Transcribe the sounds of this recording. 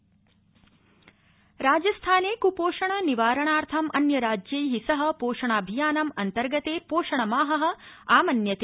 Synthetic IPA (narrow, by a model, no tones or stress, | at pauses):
ɾaːd͡ʒɐst̪ʰaːneːkupoːʂɐɳɐniʋaːɾɐɳaːɾt̪ʰɐmʔɐ̰njɐɾaːd͡ʒjɐjɦisɐɦɐ̆poːʂɐɳaːbʱijaːnɐmɐnt̪ɐɾɡɐt̪eːpoːʃɐɳɐmaːɦɐɦɐ̆aːmɐnjɐt̪e